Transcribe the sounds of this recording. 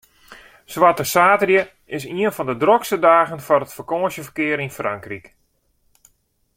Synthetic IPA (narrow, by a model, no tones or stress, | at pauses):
sʋatəsaːtərjə | ɪsiənfɔndədrokstədaːɣənfɔrətfərkoːəʃəfərkɪəɾinfraŋkrik